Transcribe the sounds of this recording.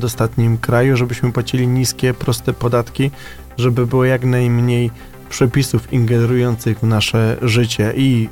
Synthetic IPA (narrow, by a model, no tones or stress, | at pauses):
d̪ɔst̪at̪ɲimkɾajuʐɛbɘɕmɘpwat͡ɕilʲiɲiskʲɛpɾɔst̪ɛpɔd̪at̪kʲi | ʐɛbɘbɘwɔjaknajmɲej | pʂɛpʲisufiŋɡɛnɾujɔnt̪sɘɣvnaʂɛʐɘt͡ɕɛʔi